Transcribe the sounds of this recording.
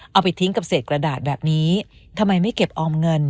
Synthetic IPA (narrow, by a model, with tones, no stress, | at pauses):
ʔʔa˧wpa˧jt̪ʰi˦˥ŋka˨˩p̚seː˨˩t̪̚kɾa˧daː˨˩t̪̚bɛː˨˩p̚niː˦˥t̪ʰa˧mːa˧jma˥˩jke˨˩p̚ʔɔː˧mŋɤ˧n